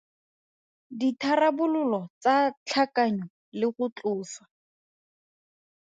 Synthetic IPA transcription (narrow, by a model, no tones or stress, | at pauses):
ditʰarabʊlʊlɔt͡sat͡ɬʰakaɲɔ | lɪχʊt͡ɬʊːsḁ